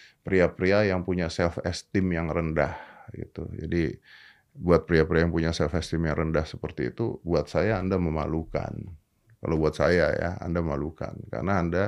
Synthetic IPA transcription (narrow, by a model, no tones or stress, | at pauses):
pɾiapɾiajaŋpuɲasɛlfɛst̪ɪmjaŋrəndahɡḭt̪ṵd͡ʒa̰di | buat̪̚pɾiapɾiajaŋpuɲasɛlfɛst̪ɪmjaŋɾəndahsəpərt̪ḭːt̪ṵbuat̪̚sajaːndaməma̰luka̰n | kalawbuat̪̚sajaja̰a̰ndaməmaluka̰nka̰rnaːnda